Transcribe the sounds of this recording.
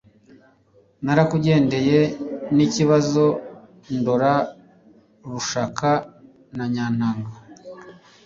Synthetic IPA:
naɾakuɟe̞ːnde̞je̞niciβazo̞ | ndoɾa | ɾuʃakʰa | naɲaːn̥aːŋɡa

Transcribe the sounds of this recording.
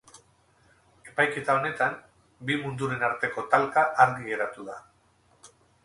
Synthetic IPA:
e̞pajke̞t̪ao̞ne̞t̪am | bimund̪uɾe̞naɾt̪e̞ko̞t̪alkaʔaɾɣiɣe̞ɾat̪uða

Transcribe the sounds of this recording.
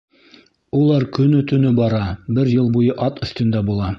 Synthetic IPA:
ulˠɑɾkɵ̆nɵt̪ɵ̆nɵbɑɾɑbɘɾjɤlˠbujɤʔɑt̪ɵ̆θt̪ɵ̆nd̪æbulˠɑ

